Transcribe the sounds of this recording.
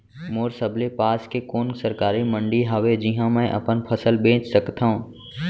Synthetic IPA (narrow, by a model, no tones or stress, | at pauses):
moːɾsəblepaːskekoːnsɐɾkaːɾimə̃ɳɖiɦaʋed͡ʒiɦãmɛ̃ʔɐ̰pənpʰɐsəlbẽːt͡ʃsɐkt̪aːɦũː